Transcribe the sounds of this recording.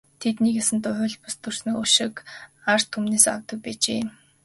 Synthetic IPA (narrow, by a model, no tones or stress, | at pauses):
t̪ʰet̪niːkesɘ̆nt̪ʊʊːɮpʊst̪ɵr̥snĭuʃɪ̆kar̥t̪ʰːumneːsa̰wt̪ə̆k̚pæːt͡ɕḛː